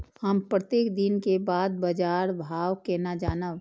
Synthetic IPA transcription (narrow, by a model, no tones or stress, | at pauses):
həmpɾət̪eːkd̪ɪnkebaːd̪̚bəd͡ʒaːɾbʱaːwkenad͡ʒaːnəʋ